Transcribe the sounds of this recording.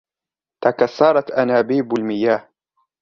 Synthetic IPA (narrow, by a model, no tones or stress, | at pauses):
t̪akasːɑːɾˤɑt̪ʔanaːbiːbʊlmɪjaːh